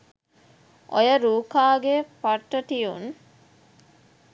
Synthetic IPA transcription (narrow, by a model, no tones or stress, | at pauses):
ʔojəɾuːkaːɡepaʈːəʈijun